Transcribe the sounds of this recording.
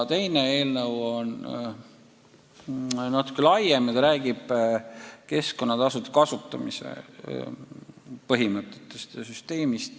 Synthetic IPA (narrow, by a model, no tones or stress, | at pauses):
t̪e̞jneeːlnɤwo̞n | nɑt̪u̥kːˑelɑjemit̪ɾæːɡ̥ib̥ | ke̞sko̞nːɑt̪ɑsut̪ekɑsut̪ːˑɑmisḛ | pɤɦimɤt̪ːˑet̪ːˑest̪syst̪e̞ːmist̪